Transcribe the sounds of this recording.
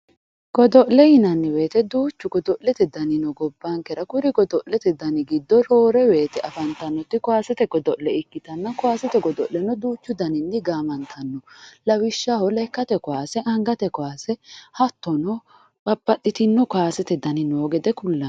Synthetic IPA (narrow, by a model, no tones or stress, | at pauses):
ɡ̥ɔd̪ɔʔlɛhɪnɐnːɪwe̞ːt̪ɛd̪uːt͡ʃːʊɡɔd̪ɔʔlɛt̪ɛd̪ɐnɪnɔɡɔbːaŋkɛɾɐkʊɾɪɡɔd̪ɔʔlɛt̪ɛd̪ɐnɪɡɪd̪ːɔɾoːɾɛwe̞ːt̪ɛʔɐfɐnt̪ɐnːɔt̪ːɪkɔaːsɛt̪ɛɡɔd̪ɔʔlɛɪkːɪt̪ɐnːɐkɔaːsɛt̪ɛɡɔd̪ɔʔlɛnːɔd̪uːt͡ʃːʊd̪ɐnɪnːɪɡaːmɐnt̪ʰɐnːɔlɐwɪʃːahɔlɛkːɐt̪ɛkɔaːsɛʔɐŋɡɐt̪ɛkɔaːsɛhɐt̪ːɔnɔ | bɐbːɐɗːɪt̪ɪnːɔkaːsɛt̪ɛd̪ɐnɪnoːɡɛd̪ɛkʊlːɐn